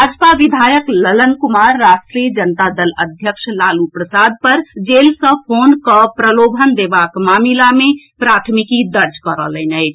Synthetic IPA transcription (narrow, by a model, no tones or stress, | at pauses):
əd͡ʒpaʋid̪ʱajəklələnkumaɾːasʈɾiəd͡ʒənt̪ad̪ələd̪ʱjəkʃlalupɾəsad̪̚pəɾd͡ʒelsə̃pʰonkəpɾəlobʱənd̪ebakmamilame | pɾat̪ʰmikid̪əɾd͡ʒkəɾə̰lənəɪt͡ʃʰ